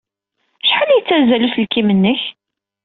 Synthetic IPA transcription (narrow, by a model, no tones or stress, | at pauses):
ʃħəlijt͡sːæzæluθlkimənːəç